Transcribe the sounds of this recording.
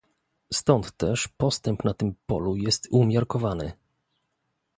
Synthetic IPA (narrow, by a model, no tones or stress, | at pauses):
st̪ɔnt̪ːɛʂpɔst̪ɛmpnat̪ɘmpɔ̰lujɛst̪umʲjaɾkɔvanɘ